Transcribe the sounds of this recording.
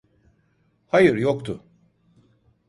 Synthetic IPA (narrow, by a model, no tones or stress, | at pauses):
hajɯɾjokt̪ʰʊ